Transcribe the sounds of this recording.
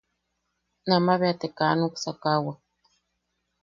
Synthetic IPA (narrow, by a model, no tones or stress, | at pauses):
namaβeat̪ekanuksakawa